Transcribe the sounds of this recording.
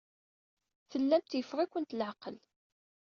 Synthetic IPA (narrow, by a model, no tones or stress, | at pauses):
θəlːæmt̪jəfʁikʷːənt̪lʕaqəl